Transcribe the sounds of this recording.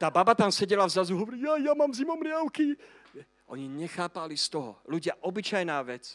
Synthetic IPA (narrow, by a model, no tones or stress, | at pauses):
t̪aːbabat̪amsɛɟɛlavzazuɦɔʋɔɾiːjajamaːmzimɔmɾɪaʊki | ɛ | ʔɔ̰ɲiɲɛxaːpalist̪ɔɦɔ̰luɟɪaʔɔbit͡ʃajnaːʋɛt͡s